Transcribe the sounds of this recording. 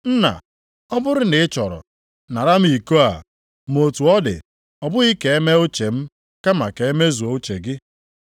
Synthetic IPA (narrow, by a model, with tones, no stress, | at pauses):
n̩˦na̰˨ | ɔ˦bʊ˦ɾɪ˦nɪ˨ɪ˦t͡ʃɔ˨ɾɔ̰˨ | na˨ɾa˦m̩˦i˨ko˦a̰˨ | m˨o˨tu˨ɔ˦dɪ̰˨ | ɔ˨bʊ˦ɣi˦ke˨e˦me˦o˦t͡ʃe˨m̩˦ | ka˦ma˨ke˨e˦me˦zu˨o˨˦o˦t͡ʃe˨ɡɪ˦